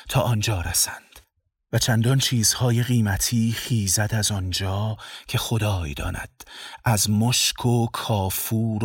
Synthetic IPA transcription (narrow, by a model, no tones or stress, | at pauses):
t̪ʰɒːʔɒnd͡ʒɒːɾæsænd̪̥ | væt͡ʃʰænd̪ɒnt͡ʃʰiːz̥hɒːje̞ɣiːmæt̪ʰiːxiːzæd̪æzɒnd͡ʒɒːcʰe̞xo̞d̪ɒːjd̪ɒ̰ːnæ̰d̪̥ʔæzmoʃkʰokʰɒːfuːɾ